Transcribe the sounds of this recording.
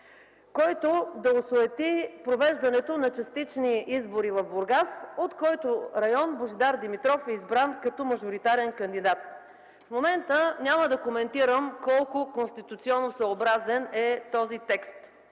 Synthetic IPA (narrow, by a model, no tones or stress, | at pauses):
kɔjt̪od̪ɐosoɛt̪ipɾovɛʒd̪ɐnɛt̪onɐt͡ʃɐst̪it͡ʃniizboɾivɐvbʊɾɡasot̪kɔjt̪oɾɐjɔnboʒid̪aɾd̪imit̪ɾɔfɛizbɾankɐt̪ɔmɐʒoɾit̪aɾɛnkɐnd̪id̪at̪ | fmomɛnt̪ənʲaməd̪ɐkomɛnt̪iɾəmkɔlˠkʊkonst̪it̪ut̪siɔnːosəobɾazɛnɛt̪ɔzit̪ɛkst̪